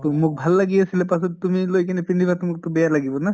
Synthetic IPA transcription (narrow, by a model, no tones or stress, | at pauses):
t̪umʊk̚bʱalːaɡiasilepasɔt̪t̪umilojkanepinibat̪umuk̚t̪ɔbejalaɡibɔna